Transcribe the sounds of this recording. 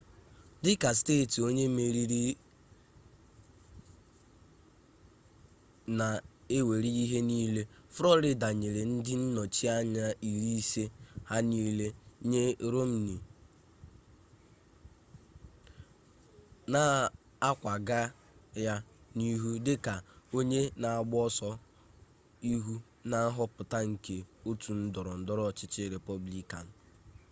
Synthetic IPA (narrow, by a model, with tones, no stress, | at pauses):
dɪ˦ka˨s̬teː˦˨ti˨o˦ɲe˦me˨ɾi˦ɾi˦ | na˨ | e˦we˨ɾi˦i˦ɦe˦niː˦le˦fɾɔ˦ɾɪ˦da˨ɲe˨ɾe˨n̩˦dɪ˦n̩˦nɔ˨t͡ʃi˦a˦ɲa˦i˨ɾi˦i˦se˦ha˦niː˦le˦ɲe˦ɾo˦m̩˨ni˨ | na˨ | a˦kʷa˨ɡa˦ | ja˦ni˦ɦu˦dɪ˦ka˨o˦ɲe˦na˨a˨ɡ͡bɔ˦sɔ˦ | i˦ɦu˦ | na˦ɦɔ˦pʊ˨ta˦ŋ̩˨ke˨o˦tu˨n̩˦dɔ˨ɾɔ˨n̩˨dɔ˦ɾɔ˦˨t͡ʃɪ˦t͡ʃɪ˦ɾe˨pɔ˦bli˦ka˨n̩˨